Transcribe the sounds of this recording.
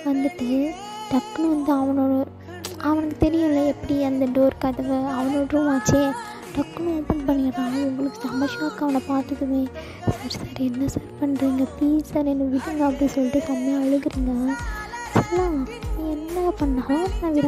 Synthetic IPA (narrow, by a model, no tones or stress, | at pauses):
ʋɐnd̪ɯʈːɯ | ɖɐkːɯnʋɐnd̪ɯɐʋɐnoːɽɯ | ɐʋɐnɐkːɯt̪ɛɾɪjʊ̃ɪlːɐɛpːɐɽiɐnd̪ɐɖoːɾkɐðɐʋɯɐʋɐnoːɽɾũʋaːt͡ʃːeː | ɖɐkːnɐpːɐɳʈpɐɳːɪkɪɾãːnɐɛŋɡɐɭɐʋɯsɐmbɐʂaːkːɐʋɐnɐpaːɾt̪ɯkːɯʋẽː | saːɾsaːɾɛnːɐsaːɾpɐɳːɾiːŋɡɐt̪iːɾsaːɾɛnːɐʋɪɽɯŋɡɐːp̬ːɐɽisɔlːɪʈːɯsɐmːɐjɐ̃ɐɭɯɣɯɾiːŋɡɐ | sɐlːãiɛnːɐpːɐɳːaːanːnːaʋɪɾɐ̃